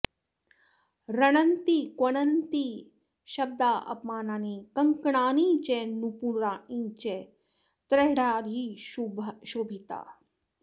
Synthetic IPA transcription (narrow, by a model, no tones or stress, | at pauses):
ɾɐɳɐnt̪ikwɐɳɐnt̪i | ʃɐb̚d̪aːʔɐ̰pmaːnaːniːkɐŋkɳaːnĩt͡ʃenupuɾaːʔĩt͡ʃe | t̪ɾeɦɽaːɾiʃubʃoːbʱit̪a̰ː